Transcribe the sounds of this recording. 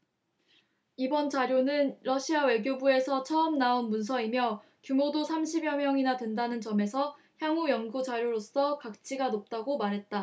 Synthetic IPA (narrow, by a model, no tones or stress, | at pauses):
ibʌnt͡ɕaɾjonɯnɾʌɕʰiawe̞ɡjobue̞sʰʌt͡ɕʰʌʌmnaonmuns̬ʰʌimjʌ | kjumodosʰamɕʰibjʌmjʌŋinadwendanɯnt͡ɕʌme̞sʰʌ | çjaŋujʌŋɡud͡ʑaɾjoɾos͈ʌkak̚t͡ɕ͈ʰiɡanop̚t͈aɡomaɾɦe̞t̚t͈a